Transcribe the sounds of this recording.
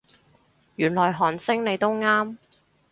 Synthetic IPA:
jyː˨˩nlɔː˨˩jɦɔː˨˩nsɪ˥ŋne˨˧jt̪o˥wŋaː˥m

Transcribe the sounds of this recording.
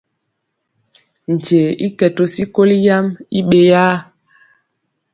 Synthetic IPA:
n̩˨d͡ʒe˨ḭ˦kɛ˨to˨si˦ko˦li˦ja˦mi˦ɓe˨jaː˦

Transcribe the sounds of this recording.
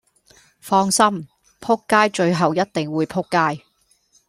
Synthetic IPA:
fɔː˧ŋsɐ˥m | pʰʊ˥kːaː˥jt͡ʃɵ˧ɥɦɐ˨wjɐ˥t̚t̪ɪ˨ŋwuː˨˧jpʰʊ˥kːaː˥j

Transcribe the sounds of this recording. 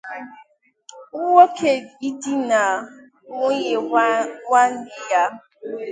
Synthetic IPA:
ʊ˦wo˦kʰe˦i˦di˦na˨ | ŋʷʊ˦ɲe˨wʷa˦n̩˦dɪ˨ja˦

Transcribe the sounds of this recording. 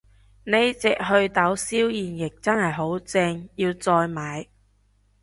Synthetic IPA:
ne˨˧jt͡sɛː˨k̚ɦɵ˧ɥt̪ɐ˨˥wsiː˥wjiː˨˩njɪ˨k̚t͡sɐ˥nhɐ˨jɦo˨˥wt͡sɛː˧ŋjiː˧wt͡sɔː˧jmaː˨˧j

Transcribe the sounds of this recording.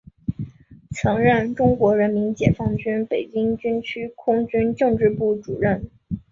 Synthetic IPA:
t͡sʰɤ˧˥ŋɻə˥˩nʈ͡ʂʊ˥ŋkwɔ˧˥ɻə˧˥nmi˧˥nt͡ɕjɛ˨˩fɑ˥˩ŋt͡ɕy˥npe˨˩ɪt͡ɕi˥ŋt͡ɕy˥nt͡ɕʰy˥kʰʊ˥ŋt͡ɕy˥nʈ͡ʂɤ˥˧ŋʈ͡ʂɻ̩˥˧pu˥˩ʈ͡ʂṵ˨˩ɻə˥˩n

